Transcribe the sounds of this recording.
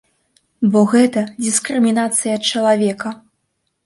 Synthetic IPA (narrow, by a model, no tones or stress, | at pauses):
bɔɣɛt̪ɐd͡zʲiskɾɨmʲinat̪sɨjɐt̪̚t͡ʂɐlˠavʲɛkɐ